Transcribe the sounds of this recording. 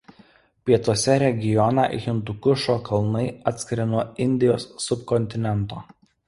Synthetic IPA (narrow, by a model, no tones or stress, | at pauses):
pʲiɛt̪uɔsʲɛɾʲɛɡʲɪjɔnɑ̰ˑɣʲɪnd̪ʊkʊʃoːkʰɐlˠnɐɪɐːt̪ʲsʲkʲɪɾɐɪnuɔɪnʲd̪ʲɪjoːsːʊpkɔnʲt̪ʲɪnʲɛnˑt̪oː